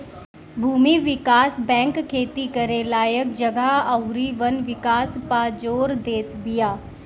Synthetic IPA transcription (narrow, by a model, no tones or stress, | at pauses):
bʱuːmiːʋɪkaːsbɛ̃ːŋkkʰːeːt̪iːkəɾẽlaːjək̚d͡ʒəɡaəʊɾiːʋənʋɪkaːspaːd͡ʒoːɾd̪eːt̪bɪjaː